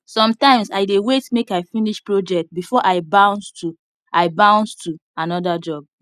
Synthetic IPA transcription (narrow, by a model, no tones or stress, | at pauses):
sɔ̃mtãɪ̃msaɪdewetmekaɪfiniʃpɹod͡ʒɛk̚t̚bifɔʔaɪbãʊ̃nstu | ʔaɪbãʊ̃nstʰuanɔdad͡ʒɔb̚